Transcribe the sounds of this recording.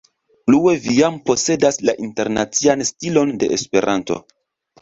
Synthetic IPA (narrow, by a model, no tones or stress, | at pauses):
pluevijampo̞se̞daslaʔinte̞ɾnat͡sianstilo̞nde̞̰espe̞ɾʔanto̞̰